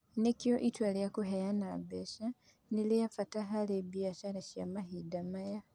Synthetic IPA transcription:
nekioʔitwalijakuɦejana̰beʃa | nilijafataɦalebijaʃalaʃja̰mahidamaja

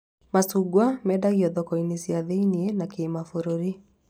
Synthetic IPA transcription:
masuɡwamɛdaɣiɔðɔkɔinesiaðeinienakeːmafoɾoɾi

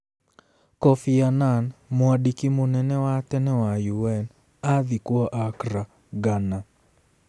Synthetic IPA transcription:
kɔfiananmɔadikimonɛnɛwatɛnɛwajuwɛn | aðikwɔʔakɾa | ɡana

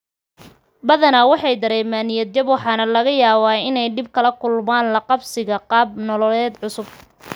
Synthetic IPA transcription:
bɐðɐnɐwɑħɑjd̪ɐɾɛːmaːnɪjɐd̪̚d͡ʒɐbwɑħɑːnɐlɐɣɐjaːβaːɪnɛjd̪ɪb̚kʰɐlɐkʰʊlmaːnlɐqɑbsɪɣɐqɑːb̚nɔlɔlɛːd̪ʕʊsʊb̚

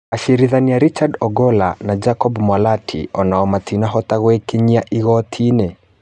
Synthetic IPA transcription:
aʃiɾiðaniaɾit͡ʃadɔɡɔla̰nad͡ʒakɔbmwalatʰḭɔnaɔmatʰinaɦɔt̪aɣwekeɲiaʔiɣɔtʰinɛ

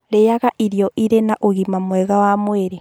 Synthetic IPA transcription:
ɾejaɣaʔiɾijɔʔiɾenaʔoɣimamwɛɣawamweɾe

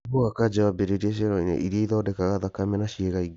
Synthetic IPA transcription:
oɣakad͡ʒawabeɾeɾieʃ̬eɾɔinḛʔiɾieiðɔːdɛkaɣaðakamɛnaʃiɛɣai

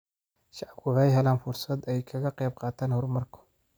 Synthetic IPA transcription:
ʃɑʕkʰʊʕɛjɦɐlaːnfʊrsɐd̪ɛjkʰɐɣɐqɛjb̚qɑːt̪ʰaːnhʊrmɐrkʰɔ̥

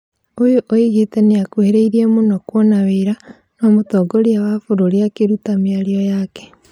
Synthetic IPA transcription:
ojoʔoiɣiteneakweɾeiɾiemonokwonaβeɾa | nomutoːɡoɾiawafuɾoɾiakeɾutamiaɾiojake̥

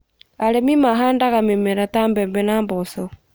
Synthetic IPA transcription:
aɾemimaɦaːndaɣamemeɾataːmbɛmbenaːmboso

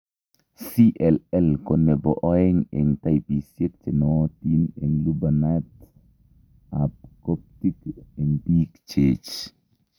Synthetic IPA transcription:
siʔɛlɛlkonebɔʔɔeŋeŋtajpisjek̚t͡ʃenɔtineŋlubanat | apkop̚tikeŋbikt͡ʃet͡ʃ

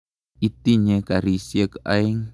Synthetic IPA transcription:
it̪iɲekaɾisiəka̰iŋ

